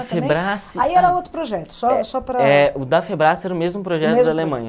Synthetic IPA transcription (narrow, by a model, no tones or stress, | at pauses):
feb̃bɾasɪaiɛɾɐot̪ɾʊpɾoʒɛt̪ʊ̥sɔsɔpɾɐɛʊd̪ɐfebɾasɛɾɐʊmezmʊpɾoʒɛt̪ʊd̪ɪalemɐ̃jɲɐ